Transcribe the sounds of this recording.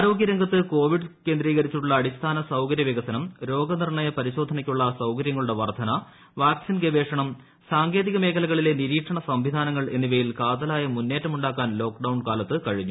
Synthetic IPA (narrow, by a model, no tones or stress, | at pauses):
aːɾo̞ːɡjɐɾɐŋɡɐt̪ːɨko̞ːʋiɖɨke̞ːnd̪riːɣɐɾit͡ɕːiʈuɭːɐːɽist̪ʰaːnɐsɐwkɐɾjɐʋiɣɐsɐnɐmɾo̞ːɡɐnirɳɐjɐpɐɾiɕo̞ːd̪ʱɐnɐkʲːuɭːɐsɐwkɐɾjɐŋːɐɭuɽe̞ʋɐrd̪ʱɐnɐ | ʋaːksinɡebe̞ːʂɐɳɐm | saːŋɡe̞ːðiɣɐmeːkʰɐlɐɣɐɭile̞niɾiːkʂɐɳɐsɐmʋid̪ʱaːnɐŋːɐɭe̞nːiʋɐjilkaːt̪ɐlaːjɐmunːe̞ːtːɐmuɳɖaːkːaːnlo̞ːkɖɐwɳkaːlɐt̪ːɨkɐɻiɲːu